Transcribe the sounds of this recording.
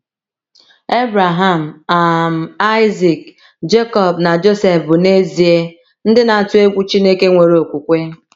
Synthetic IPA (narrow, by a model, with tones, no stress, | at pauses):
e˦bɾa˨ɦa˨m̩˨a˨m̩˨a˦ɪ˦zi˨k | d͡ʒe˦kɔ˨b̚na˨d͡ʒo˦se˨fbʊ˨ne˦zi˨e˦ | n̩˦dɪ˦na˨a˨tʊ˦e˦ɡʷu˦t͡ʃi˦ne˦ke˦ŋʷe˨ɾo˨kʷu˨kʷe˦